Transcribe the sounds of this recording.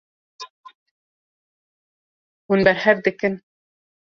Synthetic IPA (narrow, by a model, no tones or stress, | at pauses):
hunbɛɾhɛvd̪ɨkɨn